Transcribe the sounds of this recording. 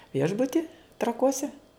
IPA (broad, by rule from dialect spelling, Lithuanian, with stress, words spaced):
ˈʋʲiɛʒbʊtʲɪ trɐˈkuɔsʲɛ